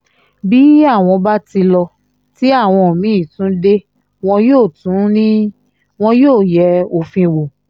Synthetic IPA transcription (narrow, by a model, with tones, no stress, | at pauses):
bi˨˦a˦˨w̃ɔ̃˧ba˦ti˧lɔ˧ | ti˨˦a˦˨w̃ɔ̃˧o˨mĩ˨˦i˦˨tũ˨˦de˦ | w̃ɔ̃˧joː˦˨tũ˨˦nĩ˦ | w̃ɔ̃˦joː˦˨jɛ˧˦o˨fĩ˧wo˨